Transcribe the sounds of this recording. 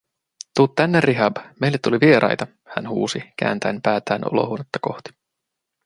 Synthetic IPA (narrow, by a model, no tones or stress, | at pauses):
t̪ut̪t̪ːænːerːiɦɑbme̞jlːet̪ːuliʋie̞ɾʔɑ̰jt̪ɑ | hæ̰nhṵːsikæ̰ːnt̪ænpæːt̪æːnʔo̞̰lo̰huonet̪ːɑko̞ht̪i̥